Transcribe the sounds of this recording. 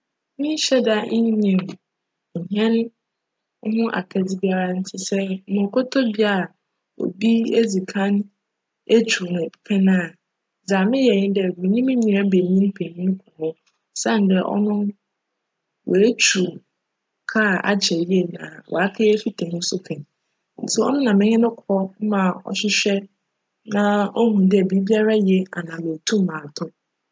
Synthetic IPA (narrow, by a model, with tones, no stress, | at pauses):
mɪ̃˦ɕɛ˦da˦ʔɪ̃˦ɲɪ̃˨m̩˨ | ɦɛ̃˦n | ɔ˦hʊ̃˦ʔa̰˨kʰɛ˦d͡zi˦ba˦ɾa˦n̩˦tʰɪ˦sɛ˦mʊ̃˨kʰʊ˦tʰɔ˦bi˦a˨ | o̰˨bi˦e˦d͡zi˨kʰã˦n | e˦t͡ɕʰu˨nʊ̃˨pʰɛ˦nã˨ | d͡zaː˨mɪ̃˦jɛ˨ɲɪ̃˦n˦dɛ˦˨mĩ˨ɲĩ˦mɪ̃˦ɲĩ˨ɾa˦be˨ɲĩ˦m˦pʰe˨ɲĩ˦n˦kʰʊ̃˨mʊ̃˦ | sã˦˨n˦dɛ˦ʔɔ̰˦nʊ̃˦ | wʔe˨e˦t͡ɕʰu˨ | kʰa˦˨a̰˦t͡ɕʰɛ˨ji˦e˦nã̰˨wɔ̰˨a˦kʰe˦e˦fi˦tʰɪ˨hʊ̃˦sʊ˦kʰɛ̃˨n˨ | sɛ˨ɔ̰˦nʊ̃˦nã˨mɪ̃˦ɲɪ̃˦nʊ̃˦kʰɔ˦mã˨ɔ̰˨ɕɪ˦ɕᶣɛ˦ | nã˦o˦ɦũ˨dɪ˦ɛ˨bi˦bi˦a˦ɾa˦jɛ˦a˨nã˨mẽ˨tʰũ˦m˦mã˨tʰʊ̃˦